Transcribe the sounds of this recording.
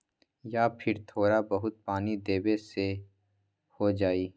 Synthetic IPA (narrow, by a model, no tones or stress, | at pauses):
jaːpʰɪɾt̪ʰoːɾabɐɦʊt̪̚paːnid̪eːbese | hod͡ʒaːiː